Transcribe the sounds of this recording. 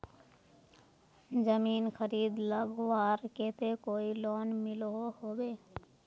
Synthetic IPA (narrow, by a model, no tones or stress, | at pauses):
zəmiːnxʰəɾiːd̪ləɡʋaːɾkeːt̪ekoːiloːnmɪlohoːbeː